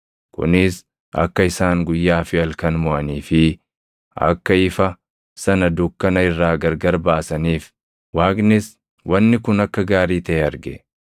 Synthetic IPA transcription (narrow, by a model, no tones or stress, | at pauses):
kʊ̰nɪs | ʔɐ̰kːɐɪsaːŋɡʊjːaːfɪɐlkɐnmɔʔɐniːfɪ | ɐ̰kːɐɪfɐ | sɐnɐd̪ʊkːɐnɐɪrːaːɡɐɾɡɐɾbaːsɐniːf | waːknɪs | wɐnːɪkʊnɐkːɐɡaːɾiːt̪ɐʔeɐɾɡɛ